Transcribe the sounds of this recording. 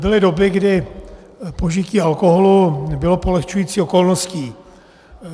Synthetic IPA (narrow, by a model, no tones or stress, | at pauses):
bɪlɪdo̞bɪɡdɪ | poʒɪciːalko̞ɦolubɪlo̞polɛxt͡ʃujiːt͡siːo̞ko̞lnosciː